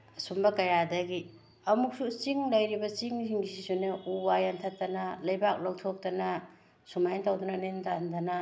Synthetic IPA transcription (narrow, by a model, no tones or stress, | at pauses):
ɐsumbɐkɐjadɐɡi | ɐmuk̚sut͡ʃiŋlɐjɾibɐt͡ʃiŋziŋisisuneubajantʰatɐnɐlɐjbak̚lowtʰok̚tɐnɐ | sumajntawdunɐnentandɐnɐ